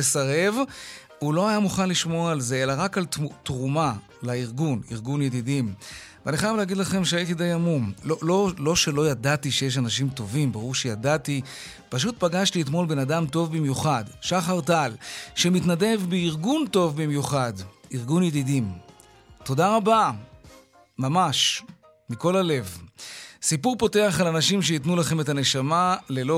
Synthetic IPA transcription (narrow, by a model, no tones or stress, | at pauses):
esaʁe̞v | ulo̞ajamuχanliʃmoalze̞elaʁakalttʁuma | laiʁɡuniʁɡunjed̪idimveaniχajavleːɡidlaχe̞mʃeaitidejamumlolo̞lo̞ʃe̞lo̞jadatiʃejeʃ̬anaʃimto̞vimbaʁuʁʃejadat̪i | paʃ̬ut̚paɡaʃtiet̪mo̞lbe̞nadamt̪o̞vbimjuχadʃaχaʁtalʃemitnade̞vbeiʁɡunto̞vbimjuχadiʁɡunjed̪idim | to̞daʁaba | mamaʃ | miko̞lale̞v | sipuʁpo̞te̞aχalanaʃimʃ̬eitnulaχe̞metane̞ʃamale̞lo